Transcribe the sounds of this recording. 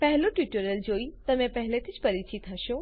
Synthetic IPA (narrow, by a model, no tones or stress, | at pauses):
pɛɦloʈjuːʈuɾjəld͡ʒoːit̪əmẽpɛɦlet̪ʰid͡ʒpəɾit͡ʃit̪ɦəʃo